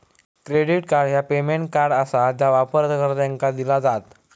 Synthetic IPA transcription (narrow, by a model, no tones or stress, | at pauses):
kɾeɽiʈkaɾɖɦjapemeɳʈ̚kaɾɖəsad͡ʑjaʋapəɾt̪kəɾt̪jãŋkad̪ilad͡zat̪